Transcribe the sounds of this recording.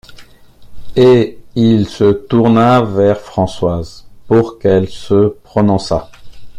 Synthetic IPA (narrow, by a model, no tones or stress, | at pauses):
eilsət̪uʁnavɛʁfχɑ̃swazpuʁkɛlsəpχɔnɔ̃sa̰